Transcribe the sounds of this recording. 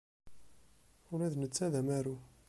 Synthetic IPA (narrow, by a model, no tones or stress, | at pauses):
ʊɾæðnət͡sːæðæmæɾu